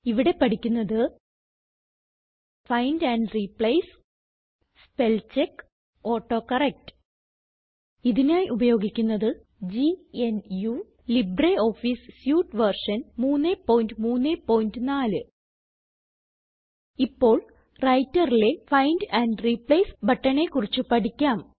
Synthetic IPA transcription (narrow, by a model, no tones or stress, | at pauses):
iʋiɽe̞pɐʈikʲːunːɐðɨ | fɐjndɐɳɖripɭɐjs | spe̞lt͡ɕekː | o̞ːʈːo̞ːkɐrek̚ʈɨ̥ | iðinaːjʔubɐjo̞ːɡikʲːunːɐðɨ | d͡ʑienju | libreo̞ːfiːssjuːʈʋɐrʂɐnmuːnːepo̞ːjindɨmuːnːepo̞ːjindɨnaːlɨ | ipːo̞ːɭ | rɐjtːɐrile̞fɐjndɐɳɖripɭɐjsbɐʈːɐɳe̞kːurit͡ɕːupɐʈikʲːaːm